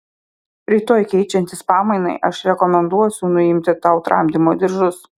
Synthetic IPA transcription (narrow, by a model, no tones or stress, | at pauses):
ɾʲiːt̪oːjkʲɛɪt͡ʃʲɛnʲt̪ʲɪspɑːmɐɪnɐ̰ɪʔɐʃɾʲɛkɔmʲɛnd̪uɔsʲʊnʊɪmʲt̪ʲɪt̪ɑʊt̪ɾɐ̰ˑmʲd̪ʲɪmoːd̪ʲɪɾʒʊs